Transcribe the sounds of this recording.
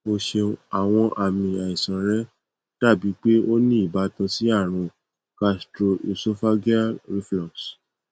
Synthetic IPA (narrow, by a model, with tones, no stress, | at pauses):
mo˧ʃe˧a˨w̃ɔ̃˧ʔa˨mĩ˧a˨i˨sã˨ɾɛ˦ | ta˦˨bi˨˦k͡pe˦o˦nĩ˦i˦˨ba˨˦tã˧si˦a˦˨ɾ̃ũ˧ | ka˧stɾo˧ʔi˨so˦fa˦ɡi˦a˦ɾi˦flɔ̃˨s